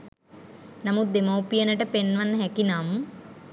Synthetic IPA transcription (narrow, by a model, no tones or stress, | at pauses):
nɐmud̪emowpijɐnɐʈɐpenʋɐnːɐɦekinaːmu